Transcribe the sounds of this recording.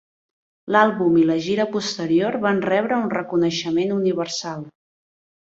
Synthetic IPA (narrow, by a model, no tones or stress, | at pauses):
lalˠβumiləʒiɾəpust̪əɾioɾβanrɛβɾəunrəkunəʃəmenuniβəɾsalˠ